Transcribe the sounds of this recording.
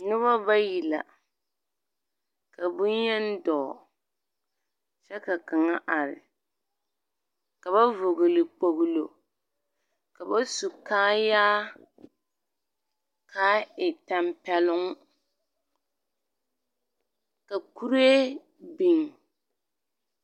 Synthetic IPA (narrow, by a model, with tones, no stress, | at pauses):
nɨ˦βa˦ba˦ji˨la̰˨ | ka˨bʊ˦jɛ˦n˦dɔː˨ | t͡ʃɛ˦ka˨ka˨ŋa˦ʔa˨ɾɪ̰˨ | ka˨ba˦vʊ˨ɡɨ˨lɨ˨k͡po˨ɣlo˨ | ka˨ba˦su˨kaː˦jaː˦ | kʰa˦ɪ˨ta˨mpɛ˦lʊ˦ŋ˦ | ka˨ku˦ɾe˦ | bi˨ŋ˨